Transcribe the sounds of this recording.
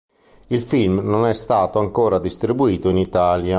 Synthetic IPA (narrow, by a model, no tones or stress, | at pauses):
ilfilmnonɛst̪aːt̪oaŋkoːɾad̪ist̪ɾibuiːt̪oinit̪aːlja